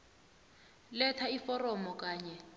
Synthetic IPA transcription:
lɛtʰaifɔrɔmɔk̬ʼaːɲɛ

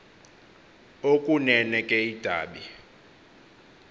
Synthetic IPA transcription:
okʼunɛnɛkʼɛid̥ʱa̰ːɓi

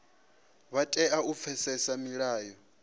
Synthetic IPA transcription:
βatʼɛʔaup̪fʰɛsɛsamiɺaːjɔ

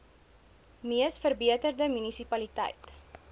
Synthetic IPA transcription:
miəsfərbiətərdəmynisipɐlitɛ̰jt

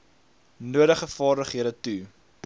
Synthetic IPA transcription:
nuəɾəχəfɑːrdəχɦiəɾətu

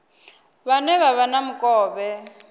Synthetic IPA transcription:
βanɛβaβanamukʼɔːβɛ

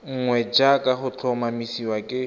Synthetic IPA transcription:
ŋ̩ŋwɛd͡ʒakʼaχʊt͡ɬʰɔmamisiwakʼɪ

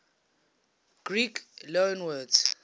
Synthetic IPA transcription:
ɡ̥rikʰlɔnwɛ

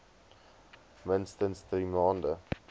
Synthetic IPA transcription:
mənstənsdriːmɑːndə

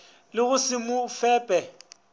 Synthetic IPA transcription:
lɪɣʊsɪmʊfɛːpʼɛ

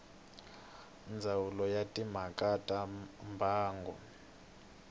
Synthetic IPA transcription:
ind͡zʱawulɔjatʼim̤akʼatʼambʱaːŋɡʱɔ̰

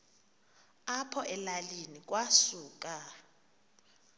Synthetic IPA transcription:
apʰɔʔɛlalinik̬ʼwasuːk̬ʼa

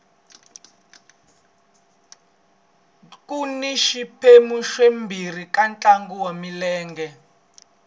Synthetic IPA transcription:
kʼuniʃipʰemuʃwembʱir̤ikʼant͡ɬʼaŋɡuwamilɛːŋɡɛ

